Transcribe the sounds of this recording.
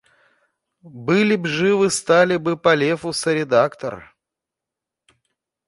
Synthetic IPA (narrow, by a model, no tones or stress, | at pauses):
bɨlʲɪbʐɨvɨst̪alʲɪbɨpɐlʲefʊsɐɾʲɪd̪akt̪ər